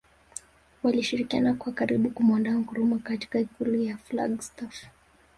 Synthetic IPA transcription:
waliʃiɾikianakwakaɾiɓukumandaːm̩kuɾumɔkati̥kaikulujafla̰ɡstaf

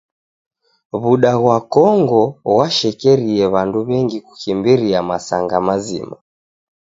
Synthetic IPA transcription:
βuɗaɣwakɔŋɡɔwaʃɛkɛɾiɛβanduβɛŋɡiku̥kimbiɾiamasaŋɡamazḭma

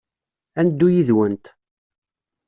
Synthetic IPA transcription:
ænd̪ːujiðwənt̪

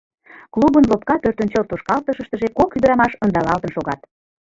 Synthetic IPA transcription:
klubənlop̚kɑp̪ørt̪ənt͡ɕort̪oʃkɑlt̪əʃəʃt̪ə̆ʒekokyd̪əɾɑmɑʃənd̪ɑlɑlt̪ənʃoɣɑt̪̚

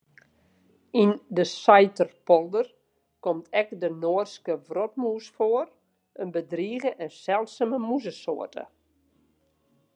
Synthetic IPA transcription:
indəsajtərpɔlˠdər | kɔmtʰɛkdənoːərskəvrɔt̚muːsfoər | ənbədriːɣəʔɛnsɛlˠsəməmuzəso̰ətə̰

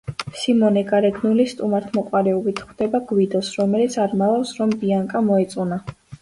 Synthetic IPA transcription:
simɔnɛɡaɾɛd̪nulist̪ʼumaɾt̪ʰmɔqʼwaɾɛɔbit̪ʰχwd̪̥ɛbaɡwid̪ɔsɾɔmɛlit̪sʰaɾmavafsɾɔmbiaŋkʼamɔɛt̪sʼuna

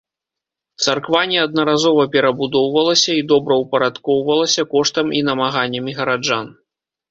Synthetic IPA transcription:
t̪sarkvanʲɛɐd̪̚nɐɾazɔvɐpʲɛɾɐbud̪ɔwvɐlˠɐsʲɐid̪ɔbɾɐwpɐɾat̪kɔwvɐlˠɐsʲɐkɔʂt̪ɐmʔinɐmaɣanʲːɐmʲiɣɐɾad͡ʐan

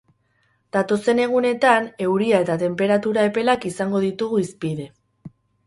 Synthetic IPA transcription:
d̪̥at̪o̞se̞ne̞ɣ̞une̞t̪ane̞wɾiae̞t̪at̪e̞mpe̞ɾat̪uɾae̞pe̞lakisaŋɡo̞ðit̪uɣuispiðe̞

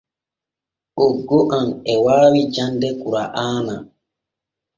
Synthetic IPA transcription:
ʔoɡːoʔanɛwaːwid͡ʒandɛkuɾaʔaːna

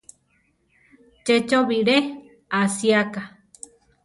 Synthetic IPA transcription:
t͡ʃet͡ʃoβiɾe | asiaka

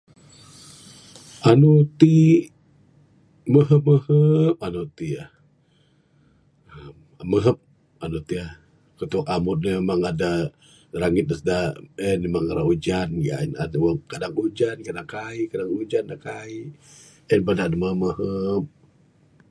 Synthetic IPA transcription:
ʔanut̪i | məɦəp̚məhəp̚anut̪ia | ə | məɦəp̚ | anut̪ia | kət̪ukamʊt̪̚namemaŋada | ɾaŋɪt̪̚dəsdaɛnemaŋaɾaud͡ʒanja̰na̰dwaŋkadaŋud͡ʒankadakaikadaŋud͡ʒandakai | ənbadadaməɦəp̚məɦəp̚

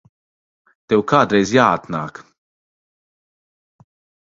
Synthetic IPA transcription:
t̪ɛwkɐːd̪ɾɛjzjaːt̪nɐ̰ːk

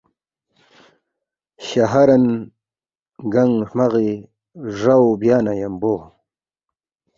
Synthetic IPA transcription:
ɕaɦaɾan | ɡaŋʂmaɣe | ʐawbjaːnajamboː

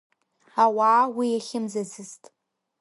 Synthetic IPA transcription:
awaːwijaχʲɪmzazɨztʼ

